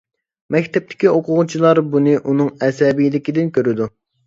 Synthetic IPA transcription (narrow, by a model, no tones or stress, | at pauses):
mɛkʲt̪ʰɛp̚t̪ʰɪ̥kʲioqʰʊʁʊt͡ʃʰilˠɑɾbunɨʔunɨŋɛsɛbijid̪ɪkʲid̪ɪnkʲøɾɪd̪u